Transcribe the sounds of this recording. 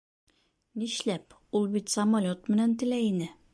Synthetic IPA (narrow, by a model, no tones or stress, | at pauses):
niɕlæp | ulˠbit̪sɐmɐlʲot̪mɘ̆nænt̪ɘ̆læjinɘ